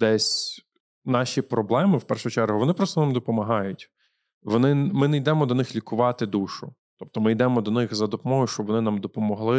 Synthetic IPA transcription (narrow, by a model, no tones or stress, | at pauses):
d̪̥ɛsʲ | nɑʃʲipɾɔblˠɛmɪwpɛrʃʊt͡ʃɛɾɦʊʋɔnɪpɾɔst̪ɔnɑmd̪ɔpɔmɐɦɑjʊtʲ | ʋɔnɪmɪnɛjd̪ɛmɔd̪ɔnɪxlʲikʊʋɑt̪ɪd̪uʃʊ | t̪ɔp̚t̪ɔmɪjd̪ɛmɔd̪ɔnɪxzɐd̪ɔpɔmɔɦʊjʊʃt͡ʃɔbʋɔnɪnamd̪ɔpɔmɔɦlˠɪ